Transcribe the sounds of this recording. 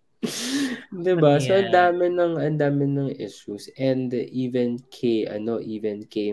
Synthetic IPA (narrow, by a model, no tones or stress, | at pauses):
d̪ɪbasoʔɐnd̪aːmɪnɐŋɐnd̪aːmɪnɐŋʔɪsusɛ̃nd̪ʔiːvɛnkʰejʔɐ̰no̞ʔiːvɛnke